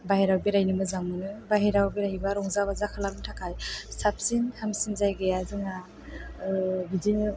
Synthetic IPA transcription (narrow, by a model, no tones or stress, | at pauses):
baɦiɾawbiɾajnimɯzamɯnɯbaɦiɾawbiɾaibaɾɔŋzabazakʰalamtʰakʰajsap̚sinhamsinzajɡejazɯŋa | bidin